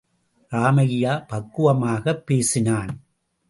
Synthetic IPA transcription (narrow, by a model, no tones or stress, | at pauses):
ɾaːmɐɣɪjaːpɐkːɯʋɐmaːɣɐpːeːsɪnaːn